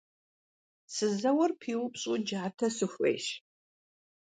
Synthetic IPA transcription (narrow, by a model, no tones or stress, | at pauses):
sɨzɐwɐrpʰiːʁʷʊpɕʼʊd͡ʒaːtʰɐsɨxʷʼḛjɕ